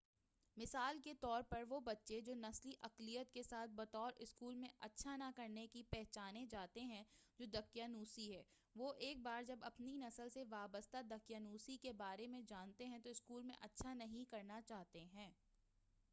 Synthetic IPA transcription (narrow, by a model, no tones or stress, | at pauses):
mɪsaːlket̪ɔːɾpɐɾʋobɐtːʃed͡ʒoːnɐsliʔɐqlijət̪̚kesaːt̪̚ʰbɐt̪ɔːɾʔɪskuːlmẽʔɐtːʃʰanakɐɾnekipɛɦt͡ʃaːnẽd͡ʒaːt̪eɦɛ̃d͡ʒoːd̪ɐkjaːnuːsiɦɛː | ʋoːʔeːk̚baːɾd͡ʒɐbɐpninɐsəlseʋaːbəst̪ad̪ɐkjaːnuːsikebaːɾemẽd͡ʒaːnt̪eɦɛ̃t̪oɪskuːlmḛ̃ʔɐtːʃʰanɐɦĩkɐɾnat͡ʃaːɦt̪eɦɛ̃ː